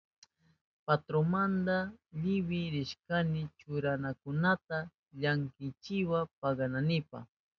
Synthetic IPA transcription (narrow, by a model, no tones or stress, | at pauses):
pat̪ɾomand̪aʎɪwɪɾɪʃkanɪt͡ʃʊɾanakʊnat̪a | ʎaŋkɪt͡ʃɪwapaɡɑnanɪpa̰